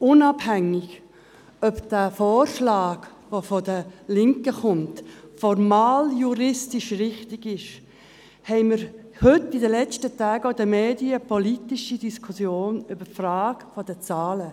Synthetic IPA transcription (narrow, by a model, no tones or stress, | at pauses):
ʊnɑbhæŋɪɡ | œpd̥æːfoːɾʃlɑːɡ | ʋofɔdəlɪŋkəχʊmtfɔɾmaːljuɾɪstɪʃɾɪχtɪɡɪʃ | hɛɪməɾ | hʏtːɪdəlɛt͡stətaːɡodəmeːdiəpʰɔlitɪʃidiskʰusjoːnʏbəfraːɡfɔd̥ət͡saːlə